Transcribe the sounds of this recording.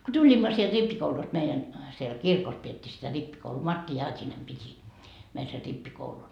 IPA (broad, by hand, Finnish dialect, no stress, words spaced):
ko tulʲimːɑ sield̥ ripːikoulust meijæn siel siel kirkos pietːiː sitæ ripːikouluː mɑrtːi jɑːtʲinem piti meil ser ripːikoulun